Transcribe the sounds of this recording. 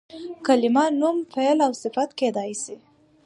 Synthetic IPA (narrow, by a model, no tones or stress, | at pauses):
kalɪmɑnumfejlawsɪfat̪ked̪ɑjsi